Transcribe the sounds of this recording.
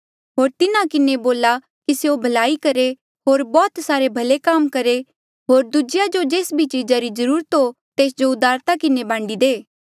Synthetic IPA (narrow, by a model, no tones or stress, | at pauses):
ɦoːɾt̪ɪnãkɪneboːla | kiseobʱɐlaːikɐɾe | ɦoːɾbɔːt̪saːɾebʱɐlekaːmkɐɾe | ɦoːɾd̪ud͡ʒɪjad͡ʒod͡ʒeːsbʱit͡ʃid͡ʒaɾizɐɾuːɾət̪ɦo | t̪eːsd͡ʒoʊd̪aːɾt̪akɪnebãːɳɖid̪eː